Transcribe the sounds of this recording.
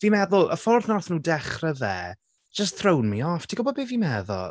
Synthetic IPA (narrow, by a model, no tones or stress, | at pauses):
viːmɛðʊlˠəfɔrθnɔrθnuːdɛχrəðɛ̰̥ː | d͡ʒəstθrownmiɔftʰiɡɔbɔdbeviːmɛðɔ̰